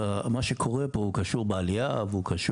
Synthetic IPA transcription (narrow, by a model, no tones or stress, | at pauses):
amaʃekʰo̞ʁepoukaʃuʁbealia̰veukaʃ